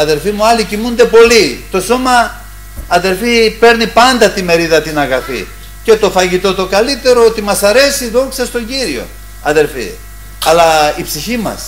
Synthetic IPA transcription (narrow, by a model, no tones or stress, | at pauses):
ɐðe̞lfimuɐlicimund̪e̞po̞lit̪o̞so̞mɐː | ðe̞lfipe̞ɾnipɐnd̪ɐt̪ime̞ɾiðɐt̪inɐɣɐfḭ | ce̞t̪o̞fɐʝit̪o̞t̪o̞kɐlit̪e̞ɾo̞ot̪imɐsɐɾe̞siðoŋksɐst̪o̞ɲɟiɾio̞̰ | ɐðe̞lfḭ | ɐlɐipsiçimɐ̰s